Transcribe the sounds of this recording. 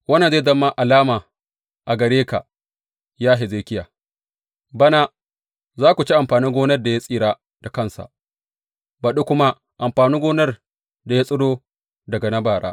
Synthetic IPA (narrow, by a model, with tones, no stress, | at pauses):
wɐ˦na˨ze˦˨zɐ˦mːa˦ʔa˨laː˦maː˨ | ʔa˨ɡɐ˨ɽeː˦ka̰˨ | jaː˦ɦe˨zeː˦kʲɪ˦jaː˨ | bɐ˦na˦ | zaː˦kʷu˨t͡ʃi˦ʔa˨mɸaː˨niː˦ɡʷoː˦nɐ˦rda˨ja˦sʼiː˦ɽaː˦ | d̥a˨kɐ˦˨nsa̰˨ʔ | bɐ˨ɗu˦kʷʊ˦ma˦ | ʔa˨mɸaː˨niː˦ɡoː˦nɐ˦r | da˨ja˦sʼʊ˦ɽoː˦ | dɐ˨ɡa˨nɐ˦baː˨ɽa̰ː˦